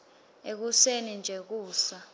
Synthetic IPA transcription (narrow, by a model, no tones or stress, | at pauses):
ek̬usenind͡ʒʱɛk̬uːsa